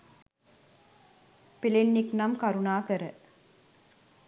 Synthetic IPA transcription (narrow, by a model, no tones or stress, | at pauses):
pilenːiknɐmkɐɾunaːkəɾə